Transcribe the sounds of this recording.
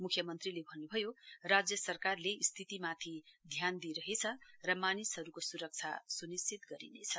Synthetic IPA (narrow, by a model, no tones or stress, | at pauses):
mukʰjʌmʌnt̪rilebʱʌnːubʱʌjorad͡zjʌsʌrkarleist̪ʰit̪imat̪ʰid̪ʱjand̪iɾʌɦet͡sʰʌrʌmanisɦʌɾukosuɾʌk̚t͡sʰa̰sunisit̪ɡʌɾḭnet͡sʰʌ